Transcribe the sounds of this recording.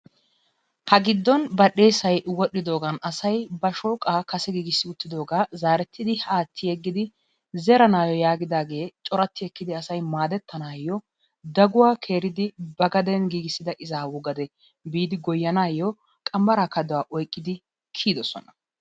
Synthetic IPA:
hɐɡɪd̪ːɔnbɐɗe̞ːsɐjwɔɗːɪd̪o̞ːɡɐnɐsɐjbɐʃoːkʼaːkɐsɛɡiːɡɪsːɪʊt̪ːɪd̪o̞ːɡaːzaːɾɛt̪ʰːɪd̪ɪhaːt̪ʰːɪjɛɡːɪd̪ɪ | zɛɾɐnaːjɔjaːɡɪd̪aːɡe̞ːt͡ʃʼɔɾɐt̪ːɪɛkːɪd̪ɪɐsɐjmaːd̪ɛt̪ːɐnaːjɔ | d̪ɐɡʊwaːkʰe̞ːɾɪd̪ɪbɐɡɐd̪ɛnɡiːɡɪsːɪd̪ɐʔɪzaːwʊɡɐd̪ɛ | biːd̪ɪɡɔjːɐnaːjːɔ | kʼɐmbɐɾaːkɐd̪ɔwaːʔɔjkʼːɪd̪ɪ | kʰiːd̪ɔsɔ̰nɐ

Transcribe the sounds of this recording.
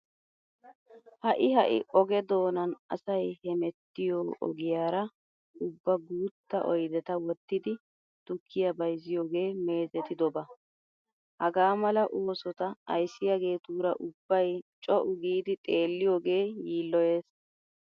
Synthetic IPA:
hɐʔɪhɐʔɪ̰ʔɔɡɛd̪o̞ːnɐnɐ̰sɐjhɛmɛt̪ːɪjoːʔɔ̰ɡɪjaːɾɐ | ʊbːɐɡuːt̪ːɐ̰ʔɔjd̪ɛt̪ɐwɔt̪ːɪd̪ɪ | t̪ʊkʰːɪjɐbɐjzɪjoːɡe̞ːme̞ːzɛt̪ɪd̪ɔbɐ | hɐɡaːmɐlɐʔoːsɔt̪ɐɐ̰jsːɪjaɡe̞ːt̪uːɾɐʔʊbːɐjt͡ʃʼɔʔʊɡiːd̪ɪt̪ʼe̞ːlːɪjoːɡe̞ːjiːlːɔje̞ːs

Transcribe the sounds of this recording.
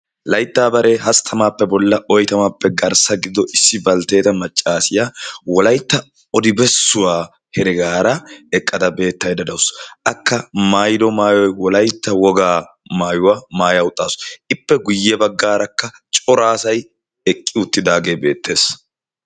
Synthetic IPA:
lɐjt̪ːaːbɐɾeːɦɐst̪ʰɐmaːpːɛbɔlːɐɔjt̪ɐmapːɛɡɐɾsɐɡɪd̪ːɔʔɪsːɪbɐlt̪e̞ːt̪ɐmɐt͡ʃʼːaːsɪjawɔlɐjt̪ːɐ | ɔd̪ɪbɛsːʊwaː | hɛɾɪɡaːɾɐɛkʼːɐd̪ɐbe̞ːt̪ːɐjd̪ɐd̪ɐwʊsʔɐkːɐmaːjd̪ɔmaːjɔjwɔlɐjt̪ːɐwɔɡaː | maːjʊwamaːjɐʊt̪ʼːaːsɪpːɛɡʊjːɛbɐɡːaːɾɐkːɐt͡ʃʼɔɾaːsɐj | ɛkʼːɪʊt̪ːɪd̪aːɡe̞ːbe̞ːt̪ːe̞ːs

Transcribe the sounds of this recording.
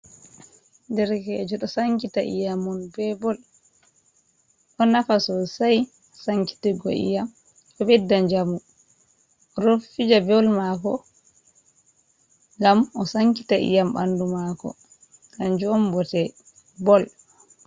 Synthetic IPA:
ndɛɾkɛːd͡ʒɔɗɔsaŋkitaʔḭjamɔnbɛbɔl | ɗɔnafasɔsaj | saŋki̥tiɡɔ̰ʔḭjam | ɔbɛdːaɲd͡ʒamu | ɔɾofid͡ʒabɔlmakɔ | ŋɡamɔsaŋki̥taʔḭjamba̰ndumakɔ̰ | kand͡ʒɔmbɔtɛ | bɔl

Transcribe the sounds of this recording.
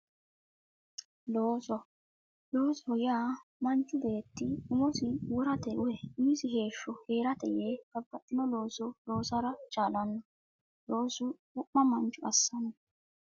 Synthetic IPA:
loːsɔ | loːsɔɔjaːmɐnt͡ʃːʊbe̞ːt̪ːɪʊmɔsɪwɔɾɐt̪ɛʔʊhɛiːsɪɦe̞ːʃːɔheːɾɐt̪ɛjeɡɐbːɐt̪ʼːɪnɔlo̞ːsɔlo̞ːsɐɾɐt͡ʃʼaːlɐnːɔ | lo̞ːsʊ | ʊʔːɐmɐnt͡ʃʼːʊɐsːɐnɔ

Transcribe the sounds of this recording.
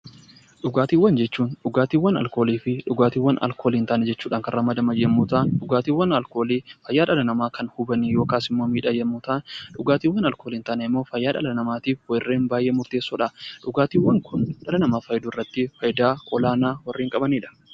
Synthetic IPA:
ᶑʊɡaːt̪iːwɐnd͡ʒɛt͡ʃːuːnᶑʊɡaːt̪iːwːɐnɐ̰lko̞ːliːfɪᶑʊɡaːt̪iːwːɐnɐ̰lkʰo̞ːliːnt̪ɐːnɛd͡ʒɛt͡ʃːuːᶑaːŋkɐnrɐmːɐd̪ɐmɐjemːut̪aːnᶑʊɡaːt̪iːwːɐnɐlkoːlifɐjːaːᶑɐlɐnɐmaːkɐnhʊbɐnijoːkaːsɪmːo̞ːmiːᶑɐjɛmːuːt̪aːnᶑʊɡaːt̪iːwːɐnɐlko̞ːliːnt̪ɐːnɛɪmːo̞ːfɐjːaːᶑɐ̰lɐnɐmaːt̪iːfwɐrːe̞ːnbaːjʔeːmʊɾt̪eːsːoːᶑɐᶑʊɡaːt̪iːwːɐŋkʰʊnᶑɐlɐnɐmaːfɐjd̪uːɪrːɐt̪ːɪfɐjd̪aːkʼɔlaːnaːwɐrːiːŋkʼɐbɐniːᶑɐ̥

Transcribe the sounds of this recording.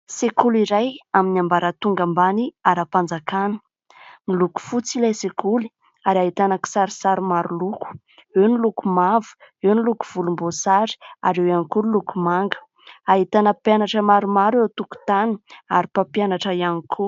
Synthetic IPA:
sekuliɾajaminiambaɾət̪uŋɡambaniaɾapand͡zakanə̥ | niluku̥fut͡silajsekuli̥ | aɾaɦit̪anəki̥saɾisaɾimaɾuluku̥ | ewnilukumavu̥ewnilukuv̥ulumbosaɾi̥aɾewjanikuilukumaŋɡə̥ | aɦit̪anəpjanaʈ͡ʂəmaɾumaɾewt̪uku̥t̪ani̥aɾipapjanaʈ͡ʂəianikʰu

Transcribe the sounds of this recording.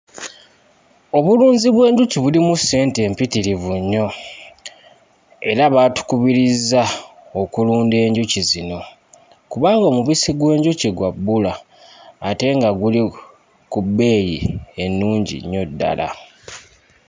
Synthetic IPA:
o̞βuluːɲziβwe̞ːɲɟuciβulimusːe̞ːnte̞ːmpitiɾivuɲːo̞ | e̞ɾaβaːtu̥kuβiɾizːao̞kuluːnde̞ːɲɟucizino̞ | kuβaːŋɡomuβisiɡwe̞ːɲɟuciɡwabːulaː | te̞ŋɡaɡuli | kubːe̞ːjḭe̞nːuːɲɟḭɲːo̞dːa̰la̰

